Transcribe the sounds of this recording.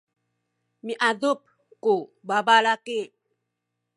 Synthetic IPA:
miʔadop̚ | kobabalake

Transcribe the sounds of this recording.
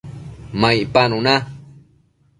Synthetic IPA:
majpanuna

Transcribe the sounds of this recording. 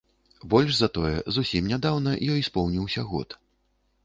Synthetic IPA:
bɔlʲʂzɐt̪ɔjɛ̰zusʲimnʲad̪awnɐjɔjspɔwnʲiwsʲɐɣɔ̰t̪

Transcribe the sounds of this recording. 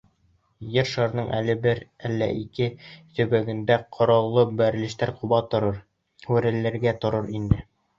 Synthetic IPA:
jɘɾʃɑɾnɤɴʔæ̰lɘ̆bɘɾælːæ̰ʔikɘt̪ɵ̆bæɡɘ̆nd̪æqʰŏɾɑlˠːɤbæɾ̆lɘ̆ʃt̪æɾquβɑt̪oɾɤɾ | wɘɾæ̆lːæɾɡæt̪ŏɾɤɾind̪ɘ

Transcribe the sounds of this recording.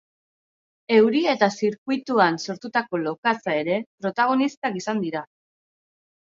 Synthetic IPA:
e̞wɾie̞t̪asiɾkujt̪uanso̞ɾt̪ut̪ako̞lo̞kat͡sae̞ɾe̞pɾo̞t̪aɣ̞o̞nist̪akisand̪iɾa

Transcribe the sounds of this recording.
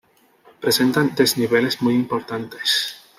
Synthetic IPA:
pɾesent̪ant̪ezniβ̞ele̞zmujimpoɾt̪ant̪es

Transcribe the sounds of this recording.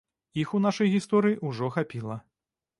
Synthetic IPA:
ixunaʂɐjɣʲist̪ɔɾɨjiʔuʐɔxapʲilˠɐ

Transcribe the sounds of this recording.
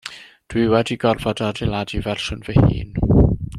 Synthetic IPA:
d̥wiwɛdiɡɔrvɔdadɛlˠadivɛrʃʊnvɛhḭːn

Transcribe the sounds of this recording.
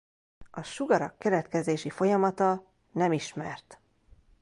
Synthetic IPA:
ɒʃuɡɒɾɒkːɛɾɛt̪kɛzeːʃifo̞jɒmɒt̪ɒ | nɛmiʃmɛrt̪

